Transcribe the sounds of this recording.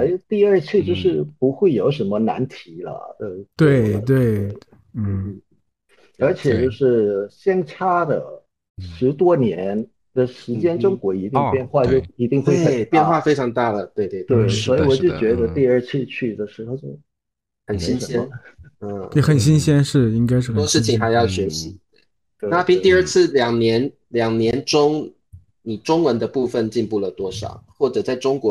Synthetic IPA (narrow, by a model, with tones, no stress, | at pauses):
e˥ɪt̪i˥˧ə˞˥˧t͡ɕʰy˥˧t͡ɕjo˥˧ʊʂɻ̩˥˩pu˧˥xwe˥˩ɪjo˧˩˥ʊʂə˧˥nmə˧na̰˧˥nt̪ʰi˧˥lə̰˧˩d̪ə˥˧˩t̪we˥˩ɪt̪we˥˩ɪ˥˩ | ə˞˧˥t͡ɕʰjɛ˨˩t͡ɕjo˥˧ʊʂɻ̩˥˩ɕjɛ˥nʈ͡ʂʰa˥d̪ə̰˨˩ | ʂɻ̩˧˥t̪wɔ˥njɛ˧˥n | d̪̥ə˧ʂɻ̩˧˥t͡ɕjɛ˥nʈ͡ʂʊ˥ŋkwɔ˧˥i˧˥t̪i˥˧ŋpjɛ˥˧nxwa˥˧t͡ɕjo˥˧ʊi˧˥t̪i˥˧ŋxwe˥˩ɪə˨˩pjɛ˥˧nxwa˥˩fe˥ɪʈ͡ʂʰɑ˧˥ŋt̪a˥˩lə˩t̪we˥˧ɪt̪we˥˧t̪we˥˩ɪswɔ˧˥i˨˩wɔ˨˩t͡ɕjo˥˩ʊt͡ɕɥɛ˧˥d̪ə˧t̪i˥˧ə˞˥˧t͡ɕʰi˥˧t͡ɕʰy˥˩d̪ə˩ʂɻ̩˧˥xo˧ʊt͡ɕjo˥˩ʊ | xə˨˩nɕi˥nɕjɛ˥nə˥˩ɛ˧˩xə˨˩nɕi˥nɕjɛ˥nʂɻ̩˥˩i˥ŋka˥ɪʂɻ̩˥˩t̪ɔ˥ʂɻ̩˥˩t͡ɕʰi˨ŋxa˨˧ɪjɑ˥˩ʊɕɥɛ˧˥ɕi˧˦t̪we˥˩˥ | na˥˧˩pi˥˧ŋt̪i˥˧ə˞˥˧t͡sʰɹ̩˥˩ljɑ˨˩ŋnjɛ˧˥n | ljɑ˨˩ŋnjɛ˧˦nʈ͡ʂʊ˥ŋ | ni˨˩ʈ͡ʂʊ˥ŋwə˧˦nd̪ə˧pu˥˧fə˥˨nt͡ɕi˥˧npu˥˩lə˩t̪wɔ˥ʂɑ̰˨˩˦ʊxwɔ˥˩ʈ͡ʂɤ˨˩t͡sa˥˩ɪʈ͡ʂʊ˥ŋkwɔ˧˥